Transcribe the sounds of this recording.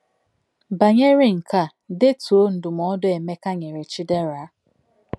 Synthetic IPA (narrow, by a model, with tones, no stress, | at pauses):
ba˨ɲe˦ɾɪ˨ŋ̩˨ka˦˨ | de˦tu˨o˦n̩˨dʊ˨m˨ɔ˦dʊ˦e˨me˦ka˦ɲe˨ɾe˨t͡ʃi˦de˦ɾa˨˦